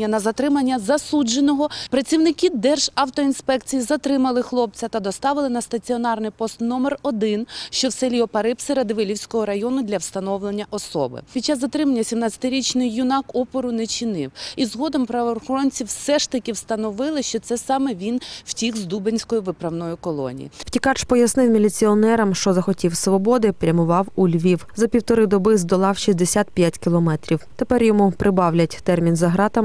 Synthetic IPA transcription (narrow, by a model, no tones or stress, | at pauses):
ɐnɐzɐt̪ɾɪmɐnʲːɐzɐsud͡ʒenɔɦɔpɾɐt͡sʲiwnɪkɪd̪ɛrʒ̥ɐwt̪ɔinspɛkt͡sʲijizɐt̪ɾɪmɐlˠɪxlˠɔp̚t͡sʲɐt̪ɐd̪ɔst̪ɑʋɪlˠɪnɐst̪ɐt͡sʲiɔnɑrnɪjpɔst̪nɔmɛrɔd̪ɪnʃt͡ʃɔwsɛlʲiɔpɐɾɪpsɪɾɐd̪ɪʋɪlʲiwsʲkɔɦɔɾɐjɔnʊd̪lʲɐwst̪ɐnɔwlˠenʲːɐʔɔsɔ̰bɪ̰pʲid̚t͡ʃːazːɐt̪ɾɪmɐnʲːɐsʲimnɑt͡sʲɐ̥t̪ɪɾʲit͡ʃnɪjːʊnɑkɔpɔɾʊnɛt͡ʃinɪ̰wizɦɔd̪ɔmpɾɐʋɔːrxɔɾɔnʲt͡sʲiwsɛʃt̪ɐkʲɪwst̪ɐnɔʋɪlˠɪʃt͡ʃɔt̪sɛsɑmɛʋʲinw̥tʲixzd̪ubenʲsʲkɔjʊʋɪpɾɐwnɔjʊkɔlˠɔ̰nʲḭjḭwtʲikɑt͡ʃpɔjɐsnɪwmʲilʲit͡sʲiɔnɛɾɐmʃt͡ʃɔzɐxɔtʲiwsʋɔbɔd̪ɪpɾʲɐmʊʋɑwulʲʋʲiwzɐpʲiwt̪ɔɾɪd̪ɔbɪzd̪ɔlˠɑwʃizʲd̪esʲat̪pʲjatʲkʲilˠɔmɛt̪ɾʲiwt̪epɛrjɔmupɾʔɪbɑwlʲɐtʲt̪ɛrmʲinzɐɦɾɑt̪ɐm